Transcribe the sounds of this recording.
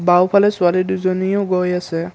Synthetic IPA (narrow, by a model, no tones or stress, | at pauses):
bawpʰalɛsualiduzɔnijɔɡɔjasɛ